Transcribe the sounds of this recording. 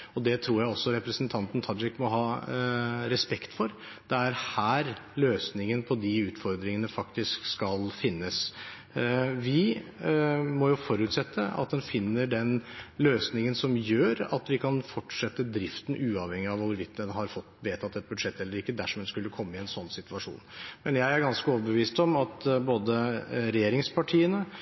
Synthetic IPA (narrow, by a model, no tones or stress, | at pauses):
ɔd̪ɛt̪ʰɾuːɾjæɪɔsːɔɾɛpɾəsənt̪ʰɑnt̪n̩t̪ʰɑd͡ʒɪkːmɔɦɑː | ɾɛspɛkt̪fɔɾ | d̪ɛæɾhæːɾløːsnɪŋənpʰɔd̪ɪʉːt̪fɔɾd̪ɾɪŋənəfɑkt̪ɪskskɑlfɪnːəs | ʋɪ | mɔjʊfɔɾʉːt̪sɛt̪ʰːəɑ̰t̪̚d̪ɛnfɪnːəɖɛnløːsnɪŋənsɔmjøːɾɑ̰t̪ʋɪkʰɑnfɔʈʂɛt̪ːəd̪ɾɪft̪ən̩ʔʉːɑʋhɛŋːɪɑʋʊɾʋɪt̪̚d̪ənɦɑɾfɔt̪ːʋeːt̪ʰɑt̪ːɛt̪̚bʉd̪ʂɛt̪ːɛlːəɾɪkːəd̪æʂɔmɛnskʉlːəkʰɔmːəɪɛnsɔnːsɪt̪ʋɑʂṵːnmɛnjæɪæɾɡɑnskəɔːʋəbəʋiːst̪ɔmɑt̪boːd̪əɾɛjeːɾɪŋspʰɑʈʰiːənə